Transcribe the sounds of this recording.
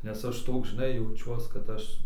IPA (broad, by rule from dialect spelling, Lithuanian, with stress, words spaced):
nʲɛs ˈɐʃ ˈtoːks ʒʲɪˈnɐɪ jɛʊˈt͡ʃʲuɔs kɐt ˈɐʃ